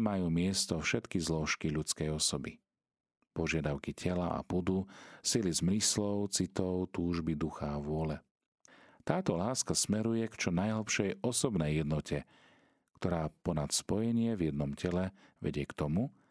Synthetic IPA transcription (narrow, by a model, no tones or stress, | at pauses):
majuːmɪɛst̪ɔfʃɛt̪kizlɔʃkiʎut͡skɛjɔsɔbi | pɔʒɪad̪aʊkicʰɛlaʔa̰pud̪usilizmɾislɔʊt͡sit̪ɔʊt̪uːʒbid̪uxaːʋʊɔlɛ | t̪aːt̪ɔlaːskasmɛɾujɛkt͡ʃɔnajɦl̩ˠpʃɛjɔsɔbnɛjːɛd̪nɔcʰɛ | kt̪ɔɾaːpɔnat̪spɔjɛɲɪɛvjɛd̪nɔmcʰɛlɛʋɛ̰ɟɪɛkt̪ɔmu